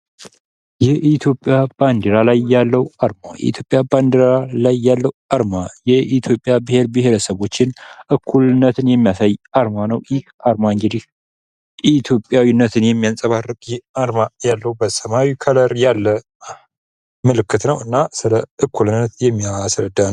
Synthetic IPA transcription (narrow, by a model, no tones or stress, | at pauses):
jɛʔit̪ʰjo̞pʼːjab̥and̪eɾalajːalːəwaɾma̰jɛ̰ḭt̪ʰjo̞pʼjaband̪eɾalajːalːəwaɾmajɛʔit̪ʰjo̞pʼːjabɨhe̞ɾbɨɦe̞ɾəsəβo̞t͡ʃːɪnʔɨkʰːulɨnːət̪ʰɨnjɛmːijasajaɾmanəwjɪhaɾmaŋd͡ʒɪd̪ih | it̪ʰjo̞pʼjawinːət̪ʰɨnjɛmːijansʼəβarːɨkʼjɛaɾmajalːəwbəsəmawikʰələɾjalːə | mɨlɨkːɨt̪nəwɨnːasɨləʔɨkʰːulɨnːət̪jɛmːiasɾəd̪ːan